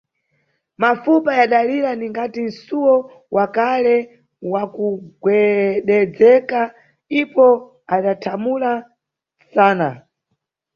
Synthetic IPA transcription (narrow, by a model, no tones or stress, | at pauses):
mafupajaɗaliɾaniŋɡatin̩suwɔ | wʔakalɛ | wakuɡwɛɗɛd͡zɛka | ipɔ | aɗatʰamula | saːna